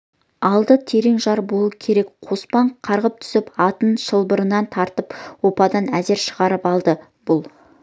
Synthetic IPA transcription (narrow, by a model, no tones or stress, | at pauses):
ɑlˠd̪ət̪ʰe̞ɾeŋʒɑɾbo̞lˠukʲʰe̞ɾe̞kqʰo̞spɑɴqʰɑɾʁəp̚t̪ʰʏ̥sɪpɑt̪ənʃəlˠbəɾənɑnt̪ʰɑɾt̪əpwo̞pɑd̪ɑnæze̞ɾʃəʁɑɾəpɑlˠd̪ə | b̥ʊlˠ